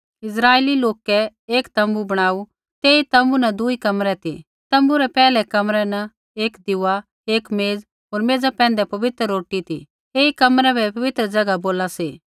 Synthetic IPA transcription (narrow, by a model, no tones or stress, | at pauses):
ɪs̬ɾaːeːliloːkɛeːkt̪ɐ̃mbubɐɽ̃aːu | t̪eːit̪ɐmbunɛd̪ʊikɐmɾɛt̪ḭ | t̪ɐ̃mbuɾɛpɛːlɛkɐmɾɛnɛ | eːkd̪ɪuːa | eːkmeːd͡z | ɦoːɾmeːd͡zapɛ̃ːnd̪ɛpɐʋɪt̪ɾəːoːʈit̪ḭ | eːikɐmɾɛ̃bʱɛpɐʋɪt̪ɾəd͡ʒɐɡaboːlaseː